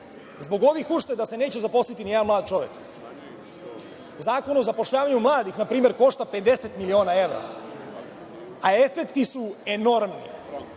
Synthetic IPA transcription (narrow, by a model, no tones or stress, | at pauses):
zbo̞ɡo̞ʋixuʃt̪ed̪ase̞ne̞ːt͡ɕezapo̞slit̪inied̪anmlˠaːd̪̚t͡ʃo̞ʋḛk | zaːko̞nozapo̞ʃʎaːʋaɲumlˠaːd̪ixnapɾiːme̞ɾko̞ʃt̪ape̞d̪e̞set̪milio̞ːnae̞ʋɾa̰ | ae̞fekt̪isueno̞ɾmnḭ